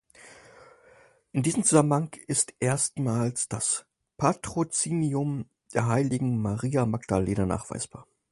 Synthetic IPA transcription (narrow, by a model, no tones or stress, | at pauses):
ʔɪndiːzəm̩t͡suz̥amənhaŋɪstʔeːɐstmaːlsd̥as | pʰatʁ̥ot͡siːniʊm | d̥eːɐɦaɪlɪɡŋ̩maʁiːamaɡd̥aleːnaɐna̰ːχv̥a̰ɪsb̥a̰ːɐ